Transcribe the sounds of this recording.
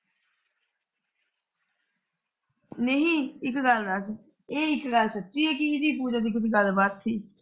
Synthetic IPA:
neɦĩːɪkɡəld̪as | eːɪkɡəlsətːʃiːɦɛːk̬ɪiʈiːpuːd͡ʒaːd̪iːk̬ɪt̪iɡəlbət̪siː

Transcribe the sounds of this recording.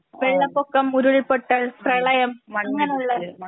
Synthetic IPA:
ʋeɭːɐpːokːɐmːuɾuɭpoʈːɐɭprɐɭɐjɐmʋɐnːɐnuɭːɐðɨ

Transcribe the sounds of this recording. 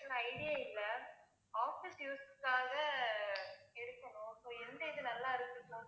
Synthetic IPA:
ɐɾɐ̃ɐɪɽɪjeːɪlːɐ | aːfɪsjuːsɯkːaːɣɐ | ɛɽɯk̪ːɐɳʊ̃soːɛnd̪ɐɪðɯnɐlːaːɪɾɯt̪ːɯkːõ

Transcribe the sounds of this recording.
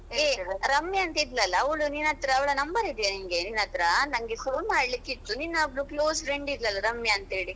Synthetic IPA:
eɾɐmːjɐɐnt̪ɐid̪lɐlːɐːʋɭuninɐt̪ɾɐːʋɐɭɐnɐmbɐɾid̪ɛjɐniŋɡeninɐt̪ɾɐnɐŋɡefoːnmaːɽlikːit̪ːuninːɐɐbɭukloːsfɾeɳɖid̪lɐlːɐɾɐmːjɐɐnt̪ɦeːɽi

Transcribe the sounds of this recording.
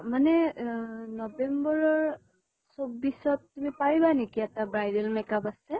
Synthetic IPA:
manɛ | nɔbembɔɹɔɹ | sobːisɔtːumipaɹibanikiɛtabɹajdɛlmɛkapasɛ

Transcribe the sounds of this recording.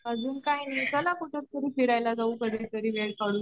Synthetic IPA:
mad͡zʱuːnkajinit̪əlakuʈək̚t̪əɾiːfiɾajlad͡zauːkəd̪et̪əɾiːʋeɭkaɽuː

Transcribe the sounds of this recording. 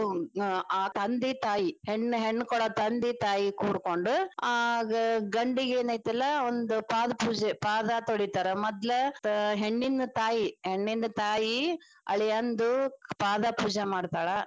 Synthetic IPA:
aːt̪ɐnd̪it̪aːjiheɳːɦeɳːkɔɽɐt̪ɐnd̪it̪aːjikuːɽkoɳɖuaːɡɐɡɐɳɖiɡeːnɐːjt̪ɐlːɐond̪upaːd̪ɐpuːd͡ʒepaːd̪ɐt̪oɭit̪aːɾɐmɔd̪lɐɦeɳːind̪ɐt̪aːjiheɳːind̪ɐt̪aːji | ɐ̰ɭijɐnd̪upaːd̪ɐpuːd͡ʒɐmaːɖt̪aːɭɐ

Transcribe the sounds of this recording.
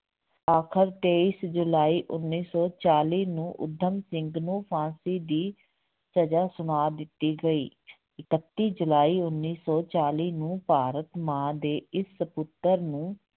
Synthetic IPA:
aːkʰəɾt̪eːiːsd͡ʒʊlaːiːʔʊnːiːsɔːt͡ʃaːliːnũːʔʊ̰d̪ʱːəmsɪŋɡnũːpʰãːsiːd̪iː | səd͡ʒaːsʊnaːd̪ɪt̪ːiːɡəiː | ɪkət̪ːiːd͡ʒʊlaːiːʊnːiːsɔːt͡ʃaːliːnũːpaːɾət̪mãːd̪eːɪsːəpʊt̪ːəɾnũː

